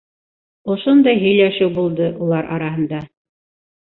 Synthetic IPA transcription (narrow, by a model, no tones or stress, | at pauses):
ŏʃond̪ɑjɦɵ̆jlæʃɘwbulˠd̪ɤʔulˠɑɾʔɑɾɑɦɤ̆nd̪ɑ